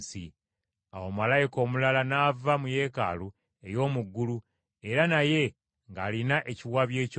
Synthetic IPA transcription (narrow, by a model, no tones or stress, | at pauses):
sḭ | awomalajiko̞ːmulalanaːvamuje̞ːka̰lu | e̞jo̞ːmuɡːulu | e̞ɾanaje̞ | ŋɡaːlinaʔe̞ciwaβje̞ːc